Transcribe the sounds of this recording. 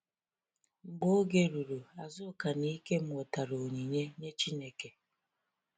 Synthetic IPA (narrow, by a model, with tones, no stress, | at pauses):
ŋ͡m̩˨ɡ͡bo˦ɡe˦ɾu˨ɾu˨a˨zʊ˦ka˨ni˦ke˦m̩˦ɔ˨ta˨ɾo˨ɲi˨ɲe˦ɲe˦t͡ʃi˦ne˨ke˨